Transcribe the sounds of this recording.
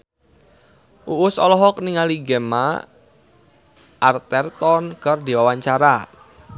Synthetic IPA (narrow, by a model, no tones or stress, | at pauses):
ʔuʔʊsɔlɔɦɔk̚niŋaliɡɛma | ʔart̪ɛrt̪ɔnkərd̪iwawaɲt͡ʃaɾa